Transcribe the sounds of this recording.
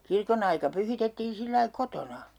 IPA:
kirkon ɑikɑ pyhitetːiːn̞ silːɑi kotonɑ

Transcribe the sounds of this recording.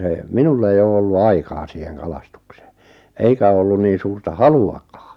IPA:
se minulː eij oː olːu ɑikɑː siːheŋ kɑlɑstukse̥ː eikæ o olːun niːn̞ suːrtɑ hɑluɑkɑː

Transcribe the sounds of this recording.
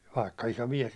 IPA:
ʋɑikːɑ iso miɛs

